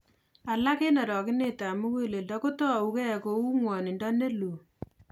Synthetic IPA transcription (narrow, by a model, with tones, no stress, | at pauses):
a˨la˦ke˦na˨ɾɔ˨kɪ˦ne˦ta˨mu˦ke˦le˨ldɔ˦ko˦tɔ˦a˨u˦kɛ˦˨ko˨u˦ŋwɔ˨ni˨ndɔ˦ne˦lu˨